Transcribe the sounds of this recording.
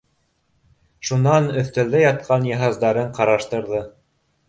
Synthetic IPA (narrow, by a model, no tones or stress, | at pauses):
ʃunɑnɵ̆θt̪æld̪æjɑt̪̚qʰɑnjɑɦɑzd̪ɑɾɤɴqɑɾɑʃt̪ɤ̆ɾðɤ